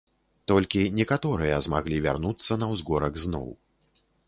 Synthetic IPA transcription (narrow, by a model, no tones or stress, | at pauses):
t̪ɔlʲkʲinʲɛkat̪ɔɾɨjɐzmaɣlʲivʲa̰rnut̪sːɐnɐwzɡɔɾɐɡznɔ̰w